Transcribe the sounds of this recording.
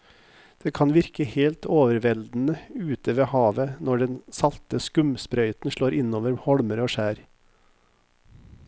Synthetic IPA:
d̪̥eːkʰɑnʋɪɾkəheːlt̪ʰoːʋəɾʋɛld̪n̩əʉːt̪əʋeːhɑːʋənɔɖɛnsɑlt̪əskʉmspɾœʏt̪n̩ʂɭoːɾɪnoːʋəɾhɔɽməɾoːʃæːɾ

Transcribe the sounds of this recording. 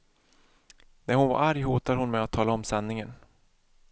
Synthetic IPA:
næɾhʊnva̰ɾʔaɾjɦuːt̪ad̪ɦʊnmɛjat̪ʰːɑːlaɔmsanːɪŋən

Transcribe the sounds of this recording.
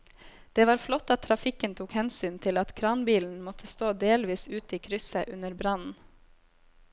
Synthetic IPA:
d̪̥eːʋɑːɾflɔt̪ːɑt̪ʰːɾɑfɪkənt̪ʰuːkhɛnsyːnt̪ʰɪlɑt̪kʰɾɑːnbiːln̩mɔt̪ʰəst̪oːd̪eːlʋiːsʉːt̪əiːkʰɾʏsəʔʉnəɾbɾɑnn̩

